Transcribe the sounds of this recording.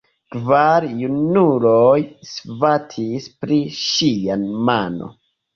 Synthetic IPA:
kvaɾjunulojsvatʰispɾiʃianmano̰

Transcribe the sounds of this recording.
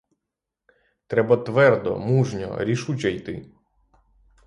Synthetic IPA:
t̪ɾɛbɐt̪ʋɛrd̪ɔ̰muʒnʲɔ̰ɾʲiʃut͡ʃɐjt̪ɪ

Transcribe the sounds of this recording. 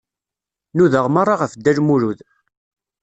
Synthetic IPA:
nuðəʁmɑrˤːɑʁəfd̪ːælmuɾuð

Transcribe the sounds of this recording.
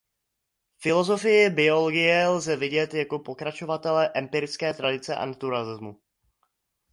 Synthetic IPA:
fɪlo̞zo̞fɪjɪbɪo̞loɡɪjɛlzɛvɪɟɛt̪jako̞po̞kɾat͡ʃo̞vat̪ɛlɛʔɛmpɪɾɪt͡skɛːt̪ɾadɪt͡sɛʔa̰nat̪uɾalɪzmu

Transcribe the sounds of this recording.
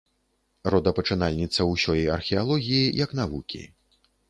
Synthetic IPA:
rɔd̪ɐpɐt͡ʂɨnalʲnʲit̪sɐwsʲɔjɛjɐrxʲialˠɔɣʲijijɐkn̪avukʲḭ

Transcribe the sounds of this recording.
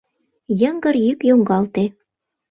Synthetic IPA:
jə̆ŋɡə̆rjykjoŋɡɑlt̪e

